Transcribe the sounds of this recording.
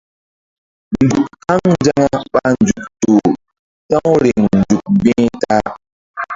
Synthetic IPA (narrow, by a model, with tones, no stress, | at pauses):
n̩˨du˨kha˦ŋn˦d͡ʒa˦ŋa˦ɓa˦n˨d͡ʒu˨k̚to˨ | tã˦ŋ˦ɾe˨ŋn˨d͡ʒu˨k̚bɛ̃˦ta˦